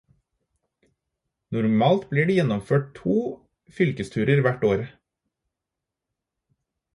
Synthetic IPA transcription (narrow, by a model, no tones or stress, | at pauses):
nʊɾmɑːlt̪bliːɖiːjɛnɔmføːʈ̚t̪ʰuː | fʏlkəst̪ʰʉːɾəɾʋæʈoːɾ